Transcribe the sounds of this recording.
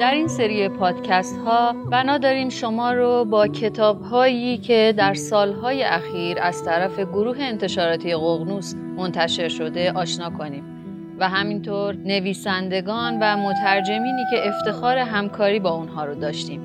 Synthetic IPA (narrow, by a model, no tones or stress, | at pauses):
d̪̥æɾinse̞ɾiepʰɒːd̪̥cʰæst̪hɒːb̥ænɒːd̪ɒːɾiːmʃo̞mɒːɾobɒːcʰe̞t̪ʰɒːbɦɒːjiːcʰe̞d̪æɾsɒːlɦɒːje̞ʔæxiːɾæz̥t̪ʰæɾæfe̞ɡoɾuːɦe̞ːnt̪ʰe̞ʃɒːɾɒːt̪ʰije̞ɣoɣnuːs | mo̞nt̪ʰæʃe̞ɾʃo̞d̪e̞ʔɒːʃnɒːkʰo̞niːm | væɦæmint̪ʰoɾne̞viːsænd̪e̞ɡɒːnvæmo̞t̪ʰæɾd͡ʒe̞miːniːce̞ʔeft̪e̞xɒːɾe̞ɦæmkʰɒːɾiːbɒːunɦɒːɾod̪ɒːʃt̪iːm